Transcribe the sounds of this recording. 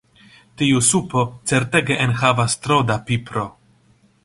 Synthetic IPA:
t̪iusupot͡seɾt̪eɡeʔenxavast̪ɾod̪apipɾo

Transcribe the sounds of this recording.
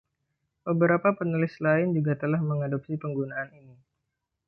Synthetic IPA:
b̥əbəɾapapənulɪslaɪnd͡ʒuɡat̪əlahməŋadop̚sipəŋɡunaːnini

